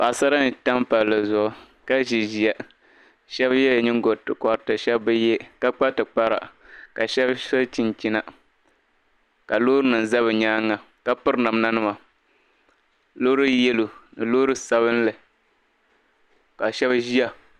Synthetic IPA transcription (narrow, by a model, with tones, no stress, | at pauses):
pa˨sa˦ɾa˦n˨ta˦mpa˨llɨ˨zʊ˨ʔʊ˦ | ka˦ʒi˨ʒi˨a˨ | ʃɛ˦bjɛ˦˨ɲɪ˦ŋ˦ɡo˨tɨ˨kɔ˨ɾtɨ˨ʃɛ˦bbɨ˦jɛ˦ka˦k͡pa˦tɨ˨k͡pa˦ɾa̰˨ka˨ʃɛ˦bso˦t͡ʃi˨nt͡ʃi˦na˨ | ka˨loː˦ɾɨ˦nɨ˨n̩˨za˦βɨ˨ɲaː˦ŋːa˨ | ka˦pɨ˦ɾɨ˦na˨mna˦nɨ˦ma˨ | lo˦ɾɨ˦jɛ˦lu˨nɨ˨lo˦ɾɨ˦sa˦βɨ˦n˦lɨ˨ | ka˨ʃɛ˦bʒi˦a˨